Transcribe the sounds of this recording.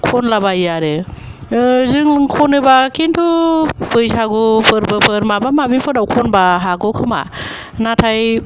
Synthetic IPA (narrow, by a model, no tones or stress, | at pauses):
kʰɔnlabajjaɾɯ | zɯŋkʰɔnɯbakʰintʰubɯjsaɡɔpʰɯɾbɯpʰɯɾmabamabipʰɯɾdawkʰɔnbaɦaɡɔkʰɯma̰ | natʰaj